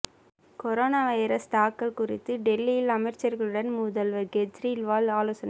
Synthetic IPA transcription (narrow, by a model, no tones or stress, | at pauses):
kɔɾoːnaːʋɐɪɾɐst̪aːkːɐɭkʊrɪ̰t̪ːɯɖɛlːijɪlɐmɐɪɾt͡ʃɐɾɣɐɭɯɽɐnmʊðɐlʋɐɾɡɛd͡ʒɾilʋaːlaːloːsɐnɐ